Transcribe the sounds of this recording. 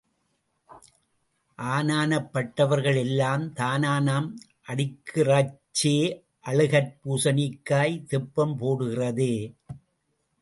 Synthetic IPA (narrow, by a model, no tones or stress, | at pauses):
ʔaːnaːnɐpːɐʈːɐʋɐɾɣɐɭɛlːaːmt̪aːnaːnaːm | ʔɐɽɪkːɯrɐt͡ʃːeː | ʔɐɭɯɣɐɾpuːsɐnɪkːaːjt̪ɪpːɐmpoːɽɯɣɪrɐðeː